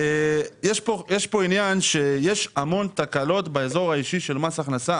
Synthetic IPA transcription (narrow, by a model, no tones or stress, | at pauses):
ejeʃpojeʃpo̞injanʃejeʃamo̞nt̪akalo̞t̪baezo̞ʁaiʃiʃe̞lmasaχnasa